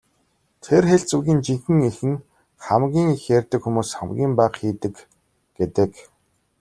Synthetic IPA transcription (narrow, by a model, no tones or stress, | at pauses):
t̪ʰerxeɬt͡suɣʲiːnt͡ɕiŋxɘ̆ŋixɘ̆n | χamɡʲiːŋixjerʲt̪ɘ̆kxumuːsχa̰mɡʲiːmpaːqxiːt̪ɘ̆k | ɡ̥et̪ɘ̆k